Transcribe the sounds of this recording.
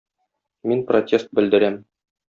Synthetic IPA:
minprotʲʰe̞st̪̚bɘ̆ld̪ɘ̆ɾæm

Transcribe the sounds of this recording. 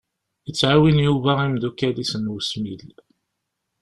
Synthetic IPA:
ət͡sːʕawinjuvæimðukːælisənwusmil

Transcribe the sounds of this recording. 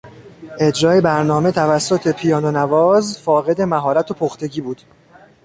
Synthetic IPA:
ʔe̞d͡ʒɾɒːjebæɾnɒːme̞t̪ʰævæsːo̞t̪ʰe̞pʰijɒːnonævɒːzfɒːɣe̞d̪e̞mæɦɒːɾæt̪ʰo̞pʰoxt̪ʰe̞ɟiːbuːd̪̥

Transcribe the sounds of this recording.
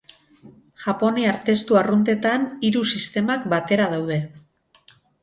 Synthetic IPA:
ʝapo̞neaɾt̪e̞st̪uarunt̪e̞t̪aniɾusist̪e̞makbat̪e̞ɾaðawð̞e̞

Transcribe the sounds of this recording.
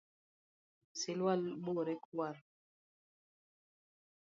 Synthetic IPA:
silwalboɾɛkwaɾ

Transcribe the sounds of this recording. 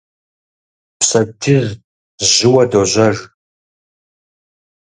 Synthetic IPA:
psɐtʰɨz | ʑɪwɐdoʑʷɐr

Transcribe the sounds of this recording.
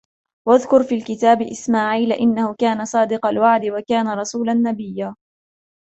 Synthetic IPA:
waðkʊɾfiːlkɪt̪aːbɪʔɪsmaːʕiːlʔɪnːahʊkaːnasˤɑːd̪ɪqɑlwaʕd̪ɪwakaːnaɾˤɑsuːlanːabɪjːaː

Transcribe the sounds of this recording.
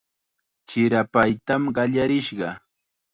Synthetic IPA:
t͡ʃɪɾapajt̪amɢɑʎaɾɪʃɢɑ

